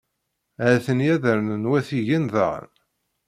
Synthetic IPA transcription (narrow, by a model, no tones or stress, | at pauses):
æθənjæðəɾnənwæθiʝinðə̰ʁə̰n